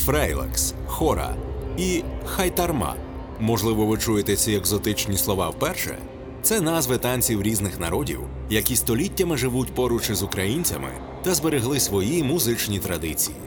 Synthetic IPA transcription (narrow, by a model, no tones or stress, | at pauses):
fɾɛjlˠɛ̰ksxɔɾɐ̰ixɐjt̪ɐrmɑ̰ | mɔʒlˠɪʋɔʋɪt͡ʃujet̪ɛt͡sʲieɡzɔt̪ɪt͡ʃnʲislˠɔʋɑwpɛrʃɛ̰ | t̪sɛnazʋɪt̪ɑnʲt͡sʲiwɾʲiznɪxnɐɾɔdʲḭw | jɐkʲist̪ɔlʲitʲːɐmɪʒɪʋutʲpɔɾʊt͡ʃɪzʊkɾɐjinʲt͡sʲɐ̰mɪ̰ | t̪ɐzbeɾeɦlˠɪsʋɔjimuzɪt͡ʃnʲit̪ɾɐd̪ɪt͡sʲijḭ